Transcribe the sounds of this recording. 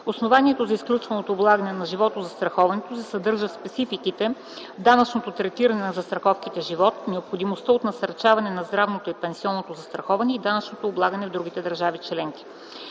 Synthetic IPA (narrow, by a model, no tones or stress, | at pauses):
osnovaniɛt̪ozɐisklʲut͡ʃvɐnot̪oːblˠaɡənɛnɐʒivɔt̪ozɐst̪ɾɐxɔvɐnɛt̪osɛsɐd̪ɤɾʒəspɛt̪sifikit̪ɛ | d̪anɐt͡ʃnot̪ot̪ɾɛt̪iɾɐnɛnɐzɐst̪ɾɐxɔfkit̪ɛʒivɔt̪nɛopxod̪imost̪əot̪nɐsɐɾt͡ʃavɐnɛnɐzd̪ɾavnot̪oipɛnsiɔnːot̪ozɐst̪ɾɐxɔvɐnɛid̪anɐt͡ʃnot̪oːblˠaɡənɛvd̪ɾuɡ̟it̪ɛd̪ɐɾʒavit͡ʃlɛŋki̥